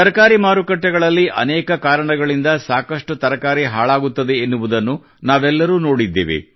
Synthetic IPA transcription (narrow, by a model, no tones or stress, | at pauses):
t̪ɐɾɐkaːɾimaːɾukɐʈːɛɡɐɭɐlːiʔɐ̰nɛːkɐkaːɾɐɳɐɡɐɭind̪ɐsaːkɐʂʈut̪ɐɾɐkaːɾiɦaːɭaːɡut̪ːɐd̪e̞ːnːuʋud̪ɐnːu | naːʋɛlːɐɾuːno̞ːɽid̪ːḛːʋḛ